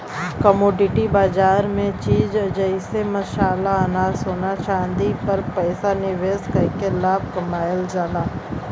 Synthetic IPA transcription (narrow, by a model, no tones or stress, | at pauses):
kəmoːɖɪʈibaːd͡ʒaːɾmẽt͡ʃiːd͡ʒɐd͡ʒəɪsemɐʃaːlanaːsoːnaʃãːnd̪ipɐɾpɛːsanɪʋeːskɐkelaːb̚kɐmaːjəld͡ʒaːlaː